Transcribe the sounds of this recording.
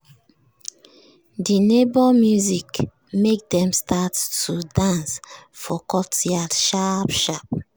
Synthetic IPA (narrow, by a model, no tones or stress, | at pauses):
dinebɔmjuzik | mek̚dɛ̃mstʰattudãnsfɔkɔtiatʃapʃap̚